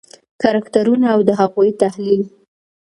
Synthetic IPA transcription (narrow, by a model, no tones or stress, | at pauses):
kaɾakt̪aɾunaːwd̪əɦaɣujt̪ahlil